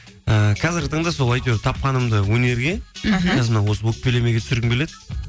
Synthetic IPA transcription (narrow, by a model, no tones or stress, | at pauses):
əkʰɑzɪɾɡʲɪt̪ʰəɴd̪ɑso̞lˠɑjt̪ʲoɾt̪ʰɑp̚qɑnəmd̪əwɵne̞ɾɡʲe̞ɑzɪɾmənɑwo̞səwɵk̚pelemeɡʲe̞t̪ʏ̥sɪɾɡʲɪŋbe̞led̪